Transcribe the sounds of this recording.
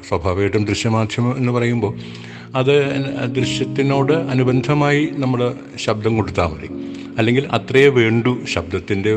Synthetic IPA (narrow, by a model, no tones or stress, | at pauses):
swɐbʱaːʋɐjiʈːumd̪riɕjɐmaːd̪ʱjɐmɐe̞nːɨpɐrɐjumbo̞ː | ɐðɨd̪riɕjɐt̪ːino̞ːɽɨɐnubɐnd̪ʱɐmaːjinɐmːɐɭ | ɕɐb̚d̪ɐmko̞ɽut̪ːaːmɐrḭ | ɐlːe̞ŋɡilɐt̪rɐjɐʋe̞ːɳɖuɕɐb̚d̪ɐt̪ːinde̞